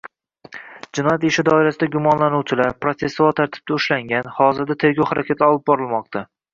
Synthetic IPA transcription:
d͡ʒɪnɒjat̪ɪʃɪd̪ɒɪɾasɪd̪aɡʲʊmɒnlanuwt͡ʃʰɪlaɾpɾot̪e̞svɒlˠt̪ʰaɾt̪ʰɪ̥b̚d̪aʊʃlaŋɡʲanhɒzɪɾd̪at̪ʰe̞ɾɡʲɒwhaɾakʲʰat̪ʰɒlˠɪp̚bɒɾɪlˠmɒq̚t̪ʰa

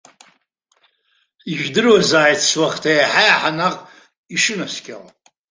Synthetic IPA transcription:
iʒᶣdɨrwazaːjtʰswaχtʰajħajaħanaqʼ | iʂɨnaskʲʰʼala

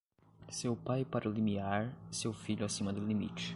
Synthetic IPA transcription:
sewpajpaɾʔʊlimiaɾsewfiʎʊasĩmɐd̪ʊlimit͡ʃɪ̥

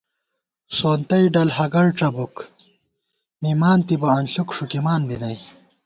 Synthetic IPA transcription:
soːnt̪ɐjɖɐlhɐɡɐɽʈ͡ʂɐbuk | mimaːnt̪ibɐɐnɬukʂukimaːnbinɐj

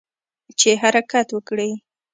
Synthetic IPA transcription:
t͡ʃeɦaɾakat̪wəkɽəj

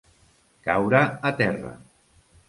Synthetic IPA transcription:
kawɾaːt̪ɛra̰

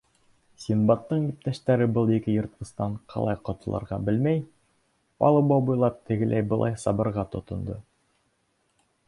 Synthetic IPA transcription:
sʲinbɑt̪ːɤɴjip̚t̪æʃt̪æɾɘbɤlˠikɘjɤ̆ɾt̪̚qɤ̆st̪ɑɴqʰɑ̰lˠɑ̰jqŏt̪ɤ̆lˠɤ̰ɾʁɑ̰bɘlmæj | pɑ̰lˠɤbobujlˠɑp̚t̪ʰɘ̆ɡɘ̆læjbɤ̆lˠɑ̰jsɑbɤ̆ɾʁɑt̪ŏt̪ŏnd̪ɤ

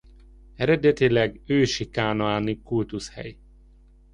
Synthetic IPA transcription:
ɛɾɛd̪ɛt̪ilɛɡøːʃikaːnoaːnikult̪ushɛ̰j

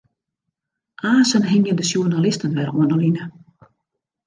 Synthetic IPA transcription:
ʔaːsənɦɪŋjəndəsjuənalɪstənʋɛɾuənəlinə

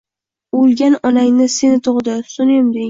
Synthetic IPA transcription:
olˠɡʲanɒlaŋnɪsenɪt̪ʰoʁd̪ɪsʊnemd̪e

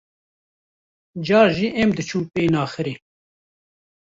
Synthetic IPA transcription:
d͡ʒɑːɾʒiːʔɛmd̪ɨt͡ʃʰuːmpeːnɑːxɨɾeː

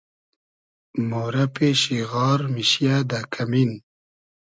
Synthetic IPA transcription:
moːɾɐpeɕiɣɑːɾmiɕijad̪akʰamin

